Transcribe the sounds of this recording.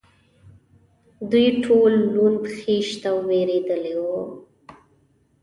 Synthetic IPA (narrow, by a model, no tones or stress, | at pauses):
d̪ujʈʰolːund̪xeʃt̪awweɾed̪əlewo